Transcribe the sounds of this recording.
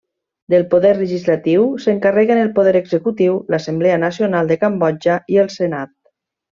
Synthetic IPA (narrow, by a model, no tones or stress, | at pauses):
d̪əlˠpoðɛrləʒizlat̪iwsəŋkarɛɣənəlˠpoðɛɾəɡzəkut̪iwlasəmbleanasionalˠd̪əkambɔd͡ʒaiəlˠsenat̪̚